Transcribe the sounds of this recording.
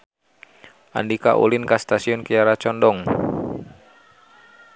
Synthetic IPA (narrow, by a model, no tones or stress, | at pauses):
ʔa̰ndika̰ʔṵlinkast̪asiɔnkijaɾat͡ʃɔndɔŋ